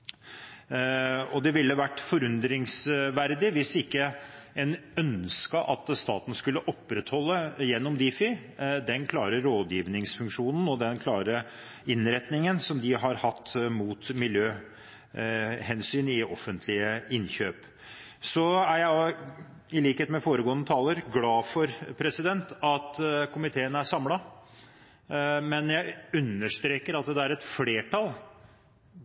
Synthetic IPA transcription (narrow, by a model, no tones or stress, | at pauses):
ɔd̪ɛʋɪlːəʋæʈːfɔɾʉnd̪ɾɪŋsʋæɾd̪ɪʋɪsɪkːəɛnœnskəʔɑt̪st̪ɑːt̪n̩skʉlːəʔɔpːɾɛt̪hɔlːəjɛnːɔmd̪ɪfɪd̪ɛnkʰlɑːɾəɾoːd̪jiːʋnɪŋsfʉŋkʂuːnn̩ɔd̪ɛnkʰlɑːɾə | ɪnɾɛt̪nɪŋənsɔmd̪ɪɦɑɾhɑt̪ːmuːt̪mɪljøː | hɛnsyːnɪɔfːənt̪ʰlɪəɪnçøːp | sɔæɾjæɪɑ | ɪliːkheːt̪mɛfoːɾəɡoːənːət̪ʰɑːləɾɡlɑːfɔɾpʰɾɛsɪd̪ɛnt̪ɑt̪kʰʊmɪt̪ʰeːənæʂɑmlɑ | mɛnjæɪʉnːəʂt̪ɾeːkəɾɑt̪̚d̪ɛd̪ɛæɾɛt̪fleːʈʰɑl